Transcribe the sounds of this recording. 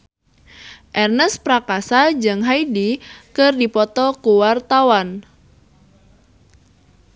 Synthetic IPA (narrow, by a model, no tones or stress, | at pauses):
ʔɛrnəspɾakasad͡ʒɨŋɦaidikɨrdipɔt̪ɔkuwart̪awan